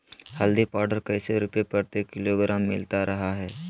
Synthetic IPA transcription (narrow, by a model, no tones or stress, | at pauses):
həld̪ipaːɾɖəɾkɐɪseɾʊpjepəɾt̪ekɪloɡɾaːmːɪlt̪aɾɐɦaɦɛː